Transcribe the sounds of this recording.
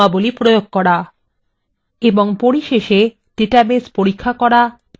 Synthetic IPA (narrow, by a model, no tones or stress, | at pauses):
abolipɾojoɡ̚kɔɾa | eboŋpoɾiʃeʃe | ɖ̥eʈabespoɾikʰːakɔɾa